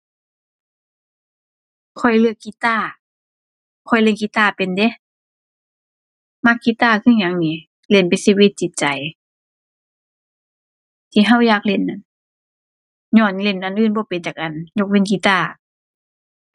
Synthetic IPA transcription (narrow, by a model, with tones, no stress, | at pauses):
kʰɔ˧˩jlɯ˧əkːi˧˥t̪aː˧˩˨ | kʰɔ˧˩jle˧˨nki˧˦t̪aː˧˩pe˨nde˧˦ | ma˧˥kːi˧t̪aː˧˩kʰɯ˧˥˨ɲa˧˦ŋniː˧˦ | le˧˩˨npa˨siː˧wi˧˦t̪̚t͡ɕi˧˦t̪̚t͡ɕa˨j | t̪ʰiː˧ɦa˧˥˨wjaː˧˩k̚le˧˩˨nːa˨˧˩n | ɲɔː˧˩˨nle˧˩˨nʔa˨nʔɯː˧˩˨nbɔː˧˦pe˨nt͡ɕaː˨˩k̚ʔa˨nɲo˧k̚we˧˥˨nki˧˦t̪aː˧˩